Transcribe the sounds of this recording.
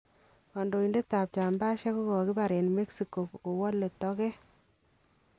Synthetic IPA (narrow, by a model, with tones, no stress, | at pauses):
ɔ˨ndo˨i˨nde˦ta˨p̚t͡ʃa˨mba˦ʃɛ˦ko˦kɔ˨ki˦ba˨ɾɛ˨nme˦ksi˨ko˨kko˨wɔ˦lːe˨tɔ˦kɛ˦